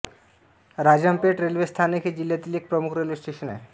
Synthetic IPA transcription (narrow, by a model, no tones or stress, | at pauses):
ɾaːd͡ʒəmpeʈɾeːlʋest̪ʰaːneked͡ʒɪlːed̪ilek̚pɾəmukʰɾelʋesʈeːʃənɦɛ̰ː